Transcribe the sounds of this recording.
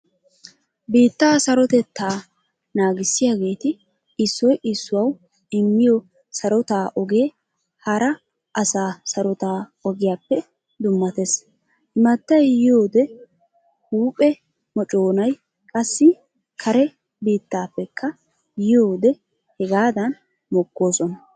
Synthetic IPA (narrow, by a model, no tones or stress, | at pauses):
biːt̪ːaːsɐɾɔt̪ɛt̪ʰːaː | naːɡɪsːɪjaːɡe̞ːt̪ɪ | ɪsːɔjʔɪsːʊwɐw | ɪmːɪjɔ | sɐɾɔt̪aːʔɔɡeː | hɐɾɐ | ʔɐsaːsɐɾɔt̪aːɔɡɪjaːpːɛ | d̪ʊmːɐt̪es | hɪmɐt̪ːɐjjɪjoːd̪ɛ | huːpʼɛ | mɔt͡ʃʼoːnɐj | kʼɐsːɪ | kʰɐɾɛ | biːt̪ːaːpːɛkʰːɐ | jɪjo̞ːd̪ɛ | hɛɡaːd̪ɐn | mɔkːoːsɔnɐ